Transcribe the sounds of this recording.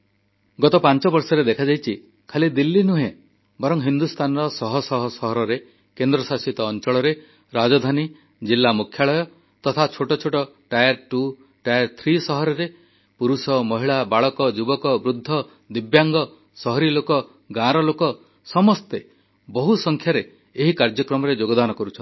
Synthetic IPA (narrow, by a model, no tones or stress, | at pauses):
ɡɔt̪ɔpant͡ʃɔbɔɾsɔɾed̪ekʰad͡ʒajt͡ʃʰi | kʰalid̪ilːinuɦẽ | bɔɾɔŋɦind̪ust̪ʰanɔɾɔsɔɦɔsɔɦɔsɔɦɔɾɔɾe | kend̪ɾɔsasit̪ɔːnt͡ʃɔɭɔɾe | ɾad͡ʒɔd̪ʱani | d͡ʒilːamukʰjaɭɔjɔ | t̪ɔt̪ʰat͡ʃʰoʈɔt͡ʃʰoʈɔʈajaɾʈu | ʈajaɾt̪ʰɾisɔɦɔɾɔɾe | puɾusɔmɔɦiɭabaɭɔkɔd͡ʒubɔkɔbɾud̪ʱːɔ | d̪ibjaŋɡɔ | sɔɦɔɾilokɔ | ɡãɾɔlokɔ | sɔmɔst̪e | bɔɦusɔŋkʰjaɾeː | ɦikaɾd͡ʒɔkɾɔmɔɾed͡ʒoɡɔd̪anɔkɔɾut͡ʃʰɔn